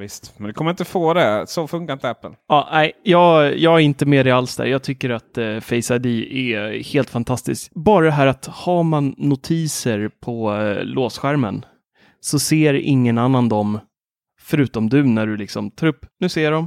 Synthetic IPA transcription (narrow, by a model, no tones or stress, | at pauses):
vɪst̪mɛnd̪ɛkʰɔməɾɪnt̪əfoːd̪ɛsofɵŋkaɾɪnt̪əæpːə̰lɑːnæɪjɑːɡjɑːɡæɾɪnt̪əmeːd̪ɛalsd̪æ̰ːɾjɑːɡt̪ʰʏkːəɾat̪fɛɪsad̪ɪʔɛheːlt̪fant̪ʰast̪ɪ̰skbɑːɾad̪ɛɦæːɾat̪hamanːʊt̪ʰiːsəɾpʰɔlʔoːsɧæɾmən | sɔseːɾɪ̰ŋːənanːand̪ɔm | fœɾʉ̟ːt̪ɔmd̪ɵnæɖɵlɪksɔmt̪ʰɾɵpːnʉ̟ːseːɖɔm